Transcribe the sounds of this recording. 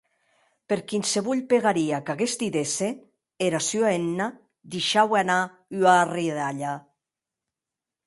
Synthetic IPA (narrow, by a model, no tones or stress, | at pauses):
peɾkinseβuʎpeɣaɾiakaɣest̪iðese | eɾasyaenːa | d̪iʃawana | yariðaʎa